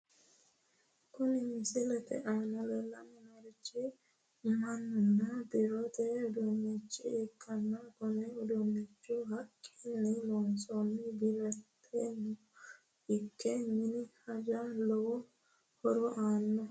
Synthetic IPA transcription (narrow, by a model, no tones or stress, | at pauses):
kʊnɪsɪlɛt̪ɛ̰ʔaːnɔlɛlːɐnɛmɐɾɪt͡ʃːɪ | mɐnːʊnːɐbɪɾɔt̪ɛʊd̪umɛt͡ʃːɪɪkʼːɐnːɐkʊnɛʊd̪ʊmːɛt͡ʃːʊɦɐkʼːinːɪloːnsɔnɪbɪlɛt̪ʰːɛnʊ | ɪkʰːɛmɪnɪhɐd͡ʒɐlɔ | hɔɾɔʔaːnːɔ